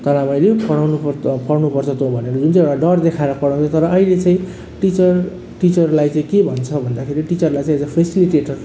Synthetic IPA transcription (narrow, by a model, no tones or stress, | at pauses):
t̪ʌlamʌjlepʌɽawnuppʌɽnupʌrt͡sʰʌt̪obʱʌneɾʌd͡zunt͡sãeɽaɖʌrd̪ekʰaeɾʌpʌɽaw̃t͡sʰʌt̪ʌɾʌʌilet͡sãĩ | ʈit͡sʌr | ʈit͡sʌrlajt͡sãĩkebʱʌnt͡sʰʌbʱʌnd̪akʰeɾiʈit͡sʌrlajt͡saĩd͡zʌpʰesiliʈeʈʌr